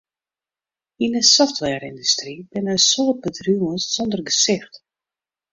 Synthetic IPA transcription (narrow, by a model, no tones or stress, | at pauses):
inəsɔftʋɛrindystribɪnəsoːt̚bədryməssɔndərɡəsɪxt